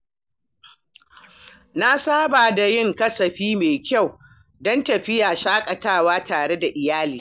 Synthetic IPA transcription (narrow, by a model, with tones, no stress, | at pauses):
na˦saː˦baː˨da˨jɪ˦˨ŋkɐ˦sɐ˨ɸiː˦meː˨kʲa˦˨w | dɔ˦ntɐ˨ɸɪ˦jaː˨ʃaː˦kʼɐ˨taː˦˨waː˦taː˨ɽe˦da˨ʔɪ˨jaː˦liː˨